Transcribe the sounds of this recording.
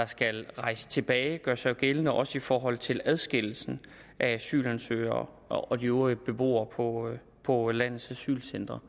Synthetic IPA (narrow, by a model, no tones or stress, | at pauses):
d̥ɑ̈sɡ̥ælʁɑ̈ɪsə̥t͡sʰe̝b̥ɛːɪɡ̥ɶɐsɑ̈ɪɡ̥elənəʔɒ̽səifɒːɦɒ̽l̰t͡sʰe̝læð̞ˠsɡ̥e̝l̰l̩sn̩ | ʔææsy̰ːlænsø̰ɪɐ | ɒ̽d̥ioəb̥e̝b̥o̝̰ːɐpʰɒ | pʰɒ̽læn̰ð̩ˠsæsy̰ːlsend̥ʁɐ